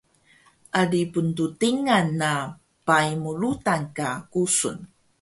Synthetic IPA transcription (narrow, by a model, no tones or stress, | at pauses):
ʔaɖipuntutiŋanːa | pajmuɭutankakusṵn